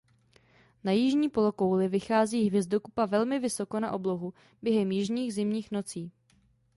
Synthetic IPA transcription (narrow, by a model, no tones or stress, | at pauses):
najɪʒɲiːpo̞lo̞ko̞wlɪvɪxaːziːɦvjɛzdokupavɛlmɪvɪso̞ko̞naʔo̞blo̞ɦu | bjɛɦɛmjɪʒɲiːɣzɪmɲiːxno̞t͡siː